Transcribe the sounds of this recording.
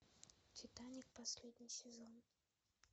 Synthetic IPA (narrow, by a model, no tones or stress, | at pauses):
tʲɪt̪anʲɪk̚pɐsʲlʲed̪ʲnʲɪjsʲɪzon